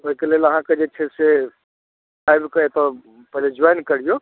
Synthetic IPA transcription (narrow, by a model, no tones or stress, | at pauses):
oɦikelielɐɦãked͡ʒet͡ʃʰese | kajbikɐet̪ɔ | pəɦled͡ʒɔjnkəɽijo